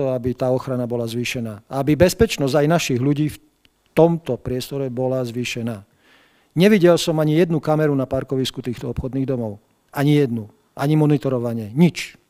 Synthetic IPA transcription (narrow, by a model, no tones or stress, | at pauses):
ɔabit̪aːɔxɾanabɔlazʋiːʃɛnaːaabibɛspɛt͡ʃnɔzɟajnaʃiɣʎuɟiːf | t̪ɔmt̪ɔpɾɪɛst̪ɔɾɛbɔlazʋiːʃɛnaː | ɲɛʋiɟɛlsɔmaɲijɛd̪nukamɛɾunapaɾkɔʋiskut̪iːxt̪ɔɔpxɔd̪niːɣd̪ɔmɔʊ | aɲijɛd̪nu | ʔaɲimɔnit̪ɔɾɔʋaɲɛɲit͡ʃ